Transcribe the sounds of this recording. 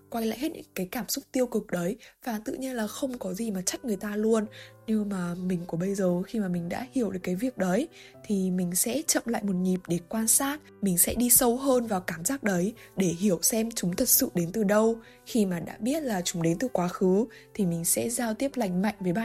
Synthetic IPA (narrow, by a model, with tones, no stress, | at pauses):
kwa˧jla̰ː˧˨jhe˦˥t̚ɲʔŋkaː˨˦jkaː˧˩msʊ˦˥k͡p̚t̪i˧əwkɨ˨˩k̚ɗə˨˦jvaː˨˩t̪ɨ̰˧˨ɲi˧ənlaː˨˩xə˧wŋ͡mkɔ˨˦zi˨˩maː˨˩t͡ɕa˦˥k̟̚ŋɨ˨˩əjt̪aː˧lu˧ənne˧wmaː˨˩mï˨˩ŋ̟ku˨˩˦ɓə˧jzəː˨˩xi˧maː˨˩mï˨˩ŋ̟ɗa̰ː˧˥hi˧˩əwɗkːaː˨˦jvi˨˩ək̚ɗə˨˦j | t̪ʰi˨˩mï˨˩ŋ̟sɛ̰˧˥t͡ɕə̰˧˨mla̰ː˧˨jmo˨˩t̚ɲi˨˩p̚ɗe˧˩kwaː˧nsaː˦˥t̚ | mï˨˩ŋ̟sɛ̰˧˥ɗi˧sə˧wɦəː˧nvaː˨˩wkaː˧˩mzaː˦˥k̚ɗə˨˦j | ɗe˧˩hi˧˩əwsɛ˧mt͡ɕʊ˨˦ŋ͡mt̪ʰə˨˩t̚sɨ̰˧˨ɗe˨˦nt̪ɨ˨˩ɗə˧w | xi˧maː˨˩ɗa̰ː˧˥ɓi˦˥ət̚laː˨˩t͡ɕʊ˨˦ŋ͡mɗe˨˦nt̪ɨ˨˩kwaː˨˦xɨ˨˦ | t̪ʰi˨˩mï˨˩ŋ̟sɛ̰˧˥zaː˧wt̪i˦˥əp̚la˧˩jŋ̟ma̰˧˨jŋ̟vəː˨˦jɓa̰ː˧˨